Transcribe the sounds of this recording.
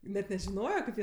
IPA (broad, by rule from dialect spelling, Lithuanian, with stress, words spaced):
nʲɛt nʲɛʒʲɪˈnoːjoː kɐɪp ˈjiɛ